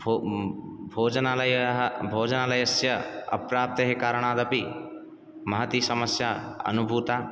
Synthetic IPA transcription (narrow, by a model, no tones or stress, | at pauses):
bo | bʱoːd͡ʒənaləjɦbʱoːd͡ʒənaːlajɐsjɐɐ̰pɾaːp̚t̪əɦekaːɾəɽ̃aːd̪ɐpi | mɐɦət̪isɐməsjaɐ̰nubʱuːt̪a